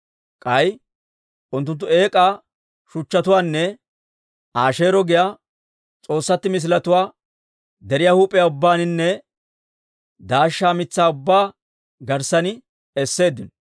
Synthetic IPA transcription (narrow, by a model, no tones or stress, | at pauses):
kʼɐj | ʔʊnt̪ːʊnt̪ːʊe̞ːkʼaː | ʃʊt͡ʃːɐt̪ʊwaːnːɛ | ʔaːʃe̞ːɾɔɡɪjaː | t͡sʼo̞ːsːɐt̪ːɪmɪs̬lɐt̪ʊwaː | d̪ɛɾɪjahuːpʼɪjaːʊbːaːnɪnːɛ | d̪aːʃːaːmɪt͡sːaːʊbːaː | ɡɐɾsɐnɪ | ɛsːe̞ːd̪ːɪnɔ